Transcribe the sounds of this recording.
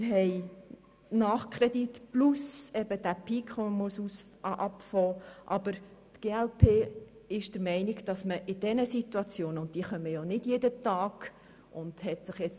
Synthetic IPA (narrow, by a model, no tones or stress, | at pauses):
ɦɛɪ | nɑːχkʰɾɛditplusɛb̥əd̥æpʰikʰʋoməmuəsus | ʔɑpfɔːʔɑb̥əɾtɡ̥eːælpʰeː | ɪʃd̥əɾmɛɪnɪɡd̥ɑsməʔɪd̥ɛnəsituɑt͡sjoːnʊnt̚d̥iːχœmːəjonɪdjeːdətɑːɡ̥ | ʔʊnd̥hɛtsɪχjɛt͡s